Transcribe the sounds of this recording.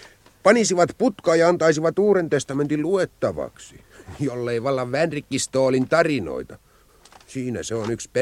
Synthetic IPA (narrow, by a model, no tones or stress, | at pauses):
pɑnisiʋɑt̪put̪kɑːjɑɑnt̪ɑisiʋɑt̪uːrent̪est̪ɑment̪illuet̪ːɑʋɑ̰ksi | jolːeiʋɑlːɑʋʋænrikːist̪oːlint̪ɑrino̰it̪ɑ | siːnæ̰seonykspe